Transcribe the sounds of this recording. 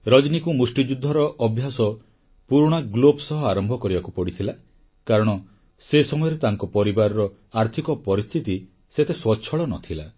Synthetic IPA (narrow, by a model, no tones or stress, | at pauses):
ɾɔd͡ʒnikumusʈid͡ʒud̪ʱːɔɾɔʔɔbʱjasɔ | puɾuɽ̃aɡlobsɔɦɔaɾɔmbʱɔkɔɾibakupɔɽit̪ʰila | kaɾɔɽ̃ɔ | sesɔmɔjɔɾet̪aŋkɔpɔɾibaɾɔɾɔ | aɾt̪ʰikɔpɔɾist̪ʰit̪i | set̪eswɔt͡ʃʰɔɭɔnɔt̪ʰila